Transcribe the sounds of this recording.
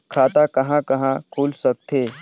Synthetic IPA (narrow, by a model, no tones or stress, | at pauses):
kʰaːt̪akɐɦãkɐɦãkʰuːlsɐk̚t̪eː